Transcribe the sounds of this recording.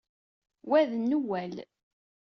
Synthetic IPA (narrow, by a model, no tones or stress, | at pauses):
wæðnːuwæl